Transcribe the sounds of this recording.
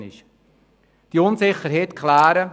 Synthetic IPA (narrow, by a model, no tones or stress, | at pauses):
nɪ̰ʃ | d̥iʊnsɪχəɾɦɛtkʰlæːɾə